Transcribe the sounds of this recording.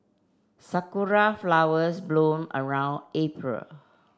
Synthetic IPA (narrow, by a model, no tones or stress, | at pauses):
sakuɹaflawəsblõmə̰ɹãʊ̃nepɹə̰l